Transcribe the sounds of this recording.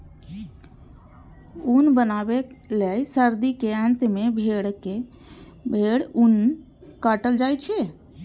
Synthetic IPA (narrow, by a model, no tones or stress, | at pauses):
unbənabelejsəɾd̪ikeə̃nt̪mebʱeɽke | bʱeɽun | kəʈəld͡ʒajt͡ʃʰɛ